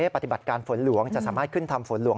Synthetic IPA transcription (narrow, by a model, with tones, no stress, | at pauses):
eː˥˩a˨˩t̪i˨ba˨˩t̪̚kaː˧nfo˩˦nlu˩˦əŋt͡ɕa˨˩ʔsaː˩˦maː˥˩t̪̚kʰɯ˥˩nt̪ʰa˧mfo˩˦nlu˩˦